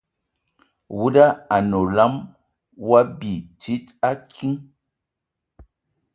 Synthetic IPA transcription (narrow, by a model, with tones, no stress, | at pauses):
wu˦da˦a˨no˨la˦m | wa˦bi˨ti˦ta˦kʰi˦ŋ